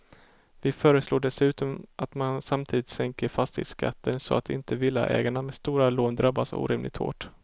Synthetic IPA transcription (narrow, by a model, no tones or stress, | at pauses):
vɪfœːɾəsloːɖɛsʉ̟ːt̪ɔmat̪mansamt̪ʰiːd̪ɪt̪sɛŋkəɾfast̪ɪ̰ska̰t̪ːənsɔ̰at̪ɪ̰nt̪ʰəvɪlːa̰ʔɛ̰ːɡaɳamɛːst̪uːɾaloːnd̪ɾabːasṵːɾɪmlɪɡ̚t̪ho̰ːʈ